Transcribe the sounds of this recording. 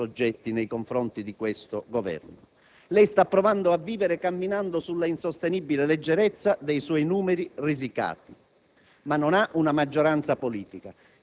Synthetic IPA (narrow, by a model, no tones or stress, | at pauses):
od͡ʒːɛt̪ːinejkoɱfɾɔnt̪id̪ikwest̪ʊɡovɛ̰rnʊ | lɛjst̪apːɾɔvand̪oavːiːveɾekamːinand̪ʊsulːainsost̪enibileled͡ʒːɛɾɛt̪sːad̪ejswɔjnuːmɛɾirizika̰ːt̪i | manːonaʔunamad͡ʒːoɾant̪sapoliːt̪ika